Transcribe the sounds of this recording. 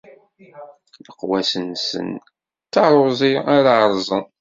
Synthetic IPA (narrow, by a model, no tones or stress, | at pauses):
ləqwæsənsə̰n | t̪ːɑɾˤʊzˤiaɾaʕɾˤzˤən